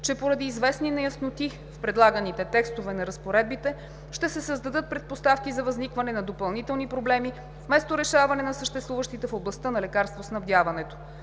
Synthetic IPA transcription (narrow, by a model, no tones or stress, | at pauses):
t͡ʃɛpoɾɐd̪iːzvɛsninɛjəsnot̪i | fpɾɛd̪lˠaɡənit̪ɛt̪ɛkst̪ovɛnɐɾəspoɾɛd̪̚bit̪ɛ | ʃt̪ɛsɛsəzd̪ɐd̪ɤt̪̚pɾɛt̪̚post̪afkizɐvɐznikvɐnɛnɐd̪opɐlˠnit̪ɛlˠnipɾoblɛmi | fmɛst̪oɾɛʃavɐnɛnɐsəʃt̪ɛst̪vuvəʃt̪it̪ɛfoblˠɐst̪ənɐlɛkaɾst̪vosnɐvd̪ʲjavɐnɛt̪o̥